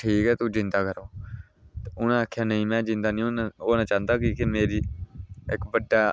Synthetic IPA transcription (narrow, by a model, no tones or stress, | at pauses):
ʈʰiːkɛːt̪uːd͡ʒɪ̃nd̪aːkəɾoː | t̪eʊnãːəkʰjaːnəĩːmɛ̃ːd͡ʒɪ̃nd̪aːnĩːooːnãːt͡ʃaːnd̪aːkiːkɪmeːɾiːɪkbəɖːaː